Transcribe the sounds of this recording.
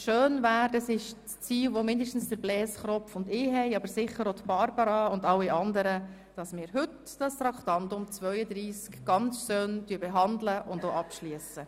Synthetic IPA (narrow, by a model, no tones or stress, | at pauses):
ʃøːnʋæːɾdɑsɪʃst͡siːlʋomɪndəʃtn̩sd̥əɾblɛːsχɾɔfʊndɪːɦɛɪɑbəɾsɪχəɾotb̥ɑɾbɑɾɑʊndɑlːiɑndəɾə | d̥ɑsmɪːɾɦʏt | d̥ɑst̪ɾɑkt̪ɑnt̪ʊmt͡sʋœʏəd̪ɾiːskɡ̥ɑnt͡sʃøːndyːəbeɦɑndləʔʊndoːɑpʃliəsə